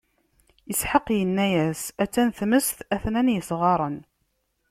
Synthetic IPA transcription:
jəsħəqːjənːæjæsæt͡sːænθməst̪æθnænjəsʁɑɾˤən

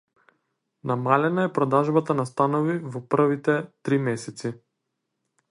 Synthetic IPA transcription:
namalɛnaɛpɾɔd̪aʒbat̪anast̪anɔvivɔpr̩vit̪ɛt̪ɾimɛsɛt̪si

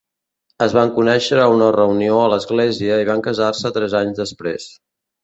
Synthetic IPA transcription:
əzβaŋkunɛʃəɾəunərəunioələzɣleziəiβ̞aŋkəzarsət̪ɾɛzaɲzðəspɾḛs

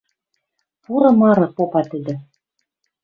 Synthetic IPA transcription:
puɾɤ̆mɑɾɤ̆popɑt̪ɘ̆d̪ɘ̆

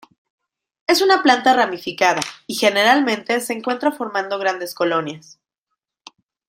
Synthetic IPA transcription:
e̞sunaplant̪aramifikaðaixe̞ne̞ɾalmẽ̞nt̪e̞se̞ːŋkwe̞nt̪ɾafo̞ɾmãnd̪o̞ɣ̞ɾand̪e̞sko̞lo̞njas

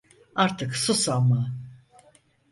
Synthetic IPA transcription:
aɾt̪ʰɯksusalma

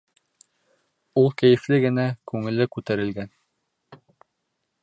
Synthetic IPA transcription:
ulˠkæjɘ̆flɘɡɘ̆nækʉŋɘ̆lɘkʉt̪æɾɘ̆lɡæn

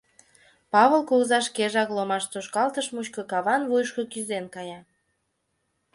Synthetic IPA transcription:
pɑβəlkoɣzɑʃ̬keʒɑklomɑʃt̪oʃkɑlt̪əʃmut͡ɕkokɑβɑnvujʃkokyzenkɑjɑ

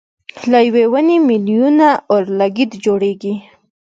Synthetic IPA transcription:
lajwewənemiljunaoɾlaɡid̪d͡ʒoɽeɡi

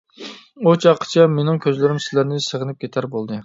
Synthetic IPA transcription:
ot͡ʃʰɑqʰːə̥t͡ʃʰɛmenɪŋkʲʰøzlɪɾɪmsɪ̥læɾnɪsəʁənɪp̚kʲʰet̪ʰæɾbolˠd̪ɨ

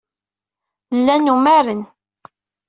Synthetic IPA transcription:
lːænumæɾən

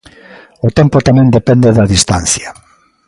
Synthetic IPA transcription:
ot̪ɛmpot̪amɛ̃nd̪epɛnd̪eðaðist̪an̟θja

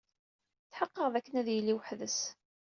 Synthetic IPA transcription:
θħəqːəʁðækːənæðjəlːiwəħðəs

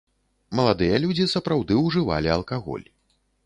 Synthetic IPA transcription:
mɐlˠad̪ɨjɐlʲud͡zʲisɐpɾawd̪ɨwʐɨva̰lʲiɐlˠkaɣɔ̰lʲ

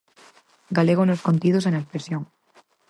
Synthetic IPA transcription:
ɡaleɣonoskont̪iðos̬enaespɾesjõŋ

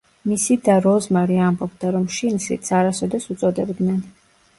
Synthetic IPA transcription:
misid̪aɾɔzmaɾiambɔbd̪aɾɔmʃinsḭt̪sʰaɾasɔd̪ɛsut̪sʼɔd̪ɛbd̪nɛn

